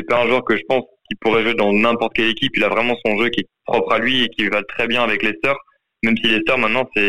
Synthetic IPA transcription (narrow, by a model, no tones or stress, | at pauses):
sɛpaɛ̃ʒwœʁkəʒəpɑ̃skʲipuʁɛʒwed̪ɑ̃nɛ̃pɔʁt̪ə̥kʲɛlekʲipilavʁɛmɑ̃sɔ̃ʒøkʲiɛpχɔpχalɥiekʲivat̪χɛbjɛ̃avɛklesœʁ | mɛmsilesœʁmɛ̃t̪̚nɑ̃sɛ